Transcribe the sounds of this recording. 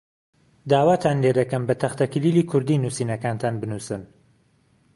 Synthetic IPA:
d̪aːwaːt̪ʰaːnled̪ɐkɐmbɐt̪ʰɐxt̪ʰɐkɨliːliːkʰʊɾd̪iːnuːsiːnɐkaːnt̪ʰaːnbɨnuːsɨn

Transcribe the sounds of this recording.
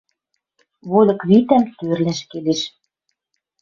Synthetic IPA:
βolʲɤ̆kβit̪æmt̪ørlæʃkeleʃ

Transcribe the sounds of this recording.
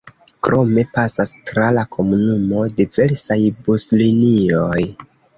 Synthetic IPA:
kɾʔo̞me̞pasastɾalakʰo̞munumo̞dive̞ɾsajbuslinio̞j

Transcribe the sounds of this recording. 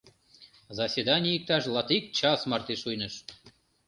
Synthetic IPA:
zɑsʲed̪ɑnʲiəik̚t̪ɑʃlɑt̪ik̚t͡ɕɑsmɑrt̪iʃujnəʃ

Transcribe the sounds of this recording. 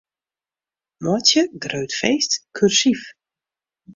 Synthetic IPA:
mɔtjəɡrøɥtfejstkʰyrsif

